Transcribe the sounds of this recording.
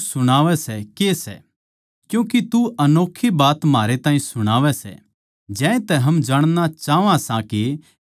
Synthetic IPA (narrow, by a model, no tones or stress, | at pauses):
sʊɽ̃aːʋɛsɛkeːsɛ̰ | kjũːkit̪uɐnoːkʰːibaːt̪maːɾet̪ãːĩsʊɽ̃aːʋɛsɛ̰ | d͡ʒɛ̃ːẽt̪ɛɦɐmd͡ʒaːɽ̃nat͡ʃaːʋãsãki